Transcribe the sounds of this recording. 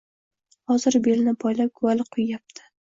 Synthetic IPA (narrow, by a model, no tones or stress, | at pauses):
hɒzɪɾbelnɪbɒjlap̚ɡʊalɪqʰʊjːjap̚t̪ʰɪ̥